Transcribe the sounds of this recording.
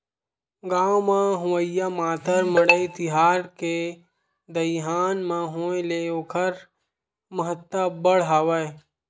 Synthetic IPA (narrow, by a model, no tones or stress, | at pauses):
ɡaːwmãɦʊʋəjamaːt̪əɾməɽəit̪ɪɦaːɾke | d̪əɦaːnmãɦõːeleoːkʰəɾ | məɦət̪ːəbəɽɦaːʋəe